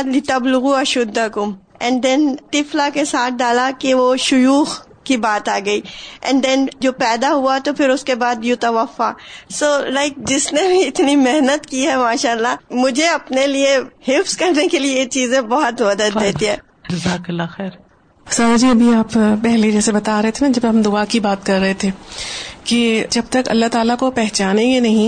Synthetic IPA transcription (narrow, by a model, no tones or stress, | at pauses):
d̪lɪt̪ɐblʊɣuɐʃʊd̪ːakʊm | ɛ̃ɳɖd̪ɛ̃nt̪ɪflakesaːt̪̚ʰɖaːlakiʋoʃʊjuːx | kibaːt̪aːɡɐiːʔɛ̰̃ɳd̪ɛ̃nd͡ʒoːpɛːd̪aɦʊat̪opʰɪɾʊskebaːd̪jʊt̪ɐʋəfasoːlaɪk̚d͡ʒɪsnebʱiɪt̪nimeɦnət̪kiɦɛmaːʃaːəlːamʊd͡ʒʱeɐpneliehɪfskɐɾnekeliet͡ʃiːzẽbɔɦɔt̪mɐd̪əd̪ːeːt̪iɦɛ̃ː | d͡ʒɪzaːkɐlːaxɛːɾ | sad͡ʒiɐbʱiaːppɛɦled͡ʒɛːsebɐt̪aɾɐɦet̪ʰenad͡ʒɐpeɦɐmd̪ʊakibaːt̪̚kɐɾːɐɦet̪ʰeːked͡ʒɐb̚t̪ɐkɐ̰lːaɦt̪aːlakopɛɦt͡ʃaːnẽjenɐɦĩ